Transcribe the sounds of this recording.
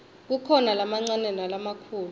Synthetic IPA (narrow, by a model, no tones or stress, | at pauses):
k̬ukʰɔnalamaŋ͡ǀanɛnalamakʰuːl